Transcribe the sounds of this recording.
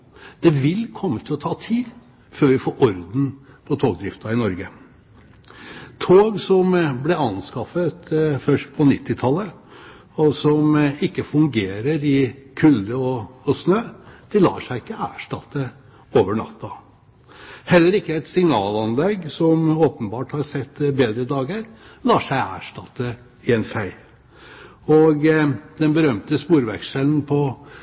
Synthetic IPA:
d̪̥ɛʋɪlkʰɔmːət̪ʰɪlɔt̪ʰɑːt̪ʰiːd̪ | føːɾʋɪfoːɾʔɔɾd̪n̩pʰɔt̪ʰoːɡ̚d̪ɾɪft̪ɑɪnɔɾɡə | t̪ʰoːɡsɔmblɛɑnskɑfət̪fœʂʈ̚pʰɔnɪt̪ːɪt̪ʰɑlːə | ɔsɔmɪkːəfʉŋɡeːɾəɾɪkʰʉlːəɔɔsnøːd̪̥ɪlɑ̰ːʂæɪɪkːəæ̰ːʂʈɑt̪ːə | oːʋəɳɑ̰t̪ːɑ | hɛlːəɾɪkːəɛɪt̪sɪŋnɑːlɑnlɛɡsɔmoːpənbɑːʈhɑɾsɛt̪ːbeːd̪ɾəd̪ɑːɡəɾlɑːʂæɪæ̰ːʂʈɑt̪ːə | ɪɛnfæɪ | ɔɡd̪ɛnbəɾœmt̪əspuːɾʋæ̰kʂəln̩pʰɔ

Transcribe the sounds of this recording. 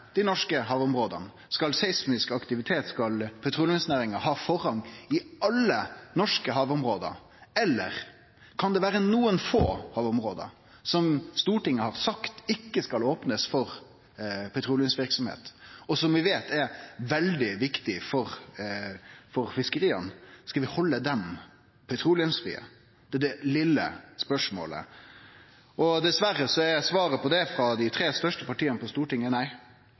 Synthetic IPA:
d̪̥ɪnɔʂkəɦɑːʋʊmɾoːd̪ə̰n | skɑlsɛɪsmɪskɑkt̪ɪʋɪt̪ʰeːt̪skɑlpʰɛt̪ʰɾuːljənsnæːɾɪŋəɾɦɑːfɔɾhɑŋɪɑlːənɔʂkəɦɑːʋʊmɾoːd̪ə̰ɾ | ɛlːə̰ɾ | kʰɑnd̪ɛʋæːɾənuːənfo̰ːhɑːʋʊmɾoːd̪ə̰ɾ | sɔmst̪uːʈɪŋːəhɑɾsɑkt̪ɪkːəskɑloːpnəsfɔɾ | pʰɛt̪ʰɾuːljənsʋɪɾksɔmhḛːt̪ɔsɔmʋɪʋeːt̪ɛɾʋɛld̪ɪʋɪkt̪ɪfɔɾ | fɔɾfɪskəɾiːənskɑʋɪhɔlːəd̪ɛm | pʰɛt̪ʰɾuːlɪənsfḭːə̰ | d̪̥ɛd̪ɛlɪlːə̰spœʂmo̰ːlə̰ | ʔɔd̪ɛsʋæɾːəsɔæjæsʋɑːɾəpʰɔd̪ɛfɾɑd̪æɪt̪ʰɾeːst̪œʂʈəpɑʈʰiːənəpɔst̪uːʈɪŋːənæɪ

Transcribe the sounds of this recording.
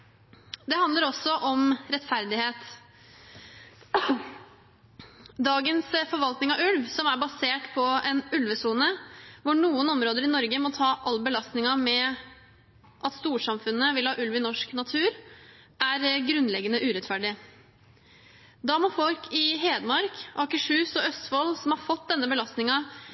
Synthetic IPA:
d̪ɛhɑnd̪əɾɔsːɔʔɔmɾɛt̪fæɾd̪ɪheːt̪ | d̪ɑːɡənsfɔɾʋɑlt̪nɪŋɑʋʉlʋsɔmæɾbɑseːʈpʰɔɛnʉlʋəsuːnəʋʊɳuːənɔmɾoːd̪əɾɪnɔɾɡəmɔt̪ʰɑːʔɑlːəbəlɑst̪nɪŋɑmɛ | ʔɑt̪st̪uːʂɑmfʉnːəʋɪlhɑːʔʉlʋɪnɔʂknɑt̪ʰʉːɾ | ʔæɾɡɾʉnːlɛɡːənəʔʉːɾɛt̪fæɖɪ | d̪ɑmɔfɔlkʰɪɦeːd̪əmɑɾkʔɑkəʂʉːsɔœst̪fɔlsɔmhɑɾfɔt̪̚d̪ɛnːəbəlɑst̪nɪŋɑ

